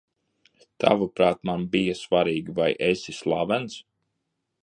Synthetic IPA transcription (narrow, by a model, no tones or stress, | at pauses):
t̪ʰa̰vupɾaːt̪manbijasvaɾiːɡivajʔesʲislˠavɛns